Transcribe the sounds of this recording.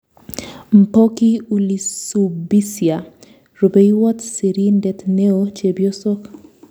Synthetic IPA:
m̩˨po˦ki˦uli˨subi˦sja˨ | ro˨be˦iwɔ˦tsi˨ɾi˦ndɛ˨t̪ne˦ot͡ʃe˨bjo˦sɔ˦k

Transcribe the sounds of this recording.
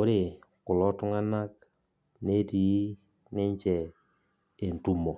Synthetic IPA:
o˦ɾe˨kʊ˨lɔ˦tʊ˦ŋa˦na˦k | ne˦ti˨i˦ | nɪ˦ɲ˦t͡ʃɛ˨ | e˨n̩˨tu˦mɔ˨

